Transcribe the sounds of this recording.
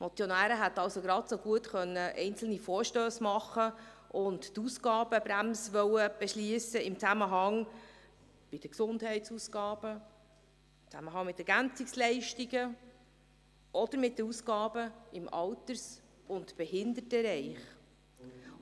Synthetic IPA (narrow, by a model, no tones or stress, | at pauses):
mʔɔt͡sjonæːɾəɦæt̪ːɑlsoɡɾɑtsoɡuətχœnːəʔɛɪnt͡sl̩nifɔːɾʃtøːsmɑχəʔʊnttusɡɑːb̥əbɾæmsʋœwəb̥ɛʃliːəsəɪmt͡sæməɦɑŋ | b̥ɪd̥əksʊndhɛɪtsuːsɡɑːb̥ə | ɪmt͡sæməɦɑŋmɪtːɛɾɡænt͡sikslɛɪʃtiɡə | ʔɔd̥̪əɾmɪt̚dəɾusɡɑːbəɪmɑwtəɾs | ʊntb̥ɛɦɪnd̪ətəɾɛɪχ